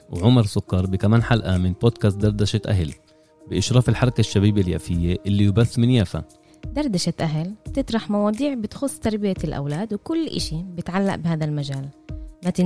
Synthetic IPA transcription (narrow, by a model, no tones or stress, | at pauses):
wʕʊmɑɾˤsʊkːɑɾˤbɪkamaːnħalʔamɪnboːd̪̚kaːst̪̚d̪ɑɾˤd̪aʃat̪ʔa̰ɦɪl | bɪʔɪʃɾˤɑːfɪlħɑɾˤɑkaʃːabiːbelja̰ːfɪjːeʔɪlːijbaθːmɪnjaːfa̰ | d̪ɑɾˤd̪aʃat̪ʔaɦɪlb̥t̪ɪt̪ˤɾˤɑħmɑwɑːd̪ˤiːʕbɪt̪xʊsˤːt̪ɑɾˤbɪjalʔa̰wlaːd̪wkʊlːʔɪ̰ʃibɪt̪ʕalːa̰ʔbhaːðalmaʒaːlmat̪ɪ